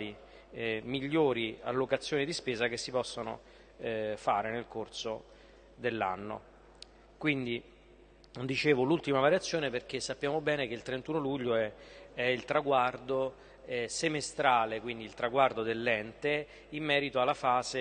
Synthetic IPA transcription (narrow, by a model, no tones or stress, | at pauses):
li | miʎːoːɾia̰lːokat̪sːjoːnid̪ispeːzak̟esːipɔsːono̰ | faːɾenelkorso | d̪elːa̰nːo̰ | kwind̪i | d̪it͡ʃeːvolult̪imavaɾjat̪sːjoːneperk̟esːapːjaːmobɛːnekeilt̪ɾent̪uːnoluʎːoɛɛilt̪ɾaɡward̪o | ɛsemest̪ɾaːlekwind̪iːlt̪ɾaɡward̪od̪elːɛnt̪e | imːɛːɾit̪oalːafaːze